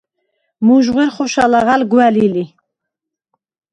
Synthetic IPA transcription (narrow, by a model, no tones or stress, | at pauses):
muʒʁɛɾχɔʃalaʁalɡwælili